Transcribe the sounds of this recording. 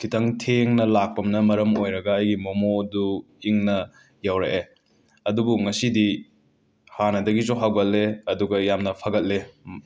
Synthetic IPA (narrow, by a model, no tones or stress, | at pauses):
kʰitʰɐŋtʰeŋnɐlak̚pɐmnɐmɐɾɐmojɾɐɡɐːjɡimomodu | iŋnɐ | jawɾeʔe | ɐdubuŋɐsidi | hanɐdɐɡizoɦawɡɐt̚lːeɐduɡɐjamnɐpʰɐɡɐt̚le